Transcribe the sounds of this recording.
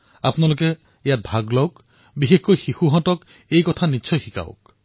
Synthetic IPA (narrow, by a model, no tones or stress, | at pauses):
apnalok̬e | jat̚bʱaɡlɔwk | biɦekkɔjxixuɦɔ̃tɔk | ejkɔt̪ʰaniʃʰɔjxika̰w̰k